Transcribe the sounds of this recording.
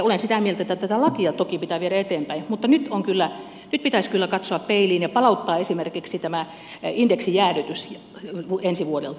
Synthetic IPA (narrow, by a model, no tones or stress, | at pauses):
olensit̪æˑmielt̪æet̪ːæt̪æt̪ælɑkiɑt̪okipit̪æˑʋieɾæet̪eːmpæimut̪ːɑnyt̪oŋkylːæ | nyt̪̚pit̪æiskylːækɑt̪soɑppeiliːnjepɑlɑut̪ːɑːesimerkiksit̪æmæ | ind̥eksijæːryt̪ysj | ʋuensiʋuodel